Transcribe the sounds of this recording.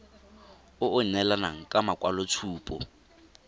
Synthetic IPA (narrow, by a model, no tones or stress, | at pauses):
ʊʔʊnɛlanaŋ̩kʼamakʼwalɔt͡sʰuːpʼɔ̰